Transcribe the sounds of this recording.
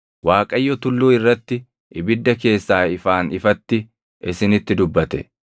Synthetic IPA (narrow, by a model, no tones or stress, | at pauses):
waːkʼɐjːɔt̪ʊlːuːɪrːɐt̪ːɪ | ʔɪbɪd̪ːɐke̞ːsːaːɪfaːnɪfɐt̪ːɪ | ʔɪsɪnɪt̪ːɪd̪ʊbːɐt̪ɛ̰